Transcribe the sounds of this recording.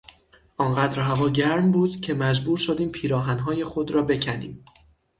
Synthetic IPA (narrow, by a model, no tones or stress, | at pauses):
ʔɒːnɢæːd̪ɾɦævɒːɟæɾmbuːd̪cʰe̞mæd͡ʒbuːɾʃo̞d̪iːmpʰiːɾɒːɦænɦɒːje̞xo̞d̪ɾɒːbe̞cʰænḭːm